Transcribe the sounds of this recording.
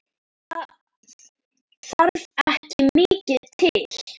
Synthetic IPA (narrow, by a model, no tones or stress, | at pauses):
a | θaɾðɛhcɪmɪːcɪðt̪ʰɪl̥